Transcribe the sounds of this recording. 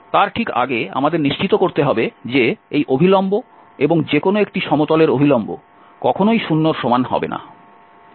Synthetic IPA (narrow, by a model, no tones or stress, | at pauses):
t̪aɾʈʰika̰ɡea̰mad̪eɾniʃt͡ɕit̪okoɾt̪eɦɔbed͡ʑeejʔobʱilombo | eboŋd͡ʑekonoekʈiʃɔmot̪ɔleɾobʱilɔmbo̰ | kɔkʰonojʃunːoɾʃomanɦɔ̰bḛna̰